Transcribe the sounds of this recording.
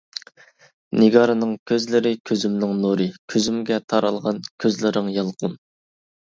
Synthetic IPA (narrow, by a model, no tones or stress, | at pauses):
nɪɡɑɾɨnɨŋkʲʰøzlɪɾɪkʲʰøzymnɪŋnuɾɨkʲʰøzymɡʲɛt̪ʰɑɾɑlˠʁɑnkʲʰøzlɪɾɪŋjɑlˠqʰun